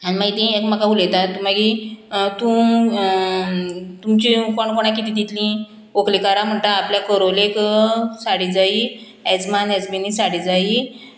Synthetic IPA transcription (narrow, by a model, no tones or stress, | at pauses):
animaɡit̪ĩekməkauləjt̪at̪məɡit̪ũ | t̪umt͡ɕiukoɳkoɽ̃akit̪iːd̪it̪lĩ | oklikaɾam̤əɳt̪aːpljakəɾoleksaɽid͡zai | ɛd͡zmanɛd͡zbinisaɽid͡zai